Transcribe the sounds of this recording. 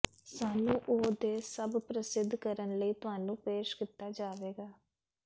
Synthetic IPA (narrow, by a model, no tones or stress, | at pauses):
saːnũːʔoːd̪eːsəbpɾəsɪd̪ʱːkəɾənləiːt̪ʊɦaːnũːpeːʃkɪt̪ːaːd͡ʒaːʋeːɡaː